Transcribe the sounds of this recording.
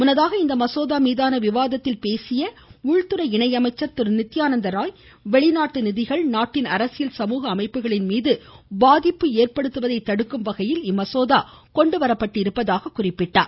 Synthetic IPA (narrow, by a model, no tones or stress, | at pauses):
mʊnɐðaːɣɐɪnd̪ɐmɐsoːðaːmiːðaːnɐʋɪʋaːðɐt̪ːɪlpeːsɪjɐ | ʊɻt̪ɯɾɐɪɳɐɪjɐmɐɪt͡ʃːɐɾt̪ɪɾnɪt̪ːɪjaːnɐnd̪ɐɾaːj | ʋɛɭɪnaːʈːɯnɪðɪɣɐɭnaːʈːɪnɐɾɐsɪjɪlsɐmuːɣɐːmɐɪpːɯɣɐɭɪnmiːðɯbaːðɪpːɯeːrpɐɽɯt̪ːɯʋɐðɐɪt̪ːɐɽɯkːɯmʋɐɣɐjɪlɪmːɐsoːðaːkɔɳɖɯʋɐɾɐpːɐʈːɪɾɯpːɐðaːɣɐkʊrɪpːɪʈːa̰ːɾ